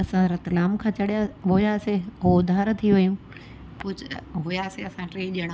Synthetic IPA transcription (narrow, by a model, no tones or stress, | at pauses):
ɐsãɾɐt̪laːmkʰãt͡ɕɐɽijaɦojaːseɦod̪ʱaːɾt̪ʰiʋɐjũ | pʊd͡ʑɦʊjaːseɐsãʈɾeːʄəɽ̃